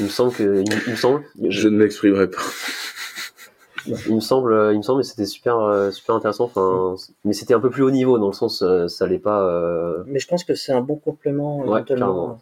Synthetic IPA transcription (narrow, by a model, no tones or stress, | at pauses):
ilməsɑ̃bləkəimilməsɑ̃blʒʒənəmɛkspχimʁɛpḁ | ilməsɑ̃bløilməsɑ̃bləse̥t̪ɛsy̥pɛʁøsy̥pɛʁɛ̃t̪eʁesɑ̃ɑfɛ̃mɛset̪ɛɛ̃pøplyonivod̪ɑ̃ləsɑ̃søsaːlɛpaømɛʒəpɑ̃skəsɛɛ̃bɔ̃kɔ̃plemɑ̃wɛt̪ɛllɛʁemɑ̃